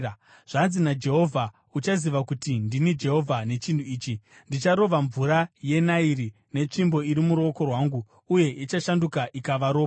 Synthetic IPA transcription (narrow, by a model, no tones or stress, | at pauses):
ʐ̥anzinad͡ʒe̞ɦo̞vʱa | ut͡ʃaziʋakutindinid͡ʒe̞ɦo̞vʱane̞t͡ʃindʱuiːt͡ʃi | ndit͡ʃaɾo̞ʋaɱvuɾaje̞nairi | ne̞t͡ʂimbo̞iɾimuɾo̞ko̞rwaːŋɡu | uje̞ʔit͡ʃaʃandukaʔikaʋaɾo̞ː